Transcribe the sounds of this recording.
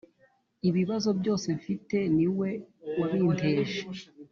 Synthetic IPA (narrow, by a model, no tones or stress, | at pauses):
iβiβazo̞bjo̞ːse̞ɱfite̞niwe̞waβiːnteːʃe̥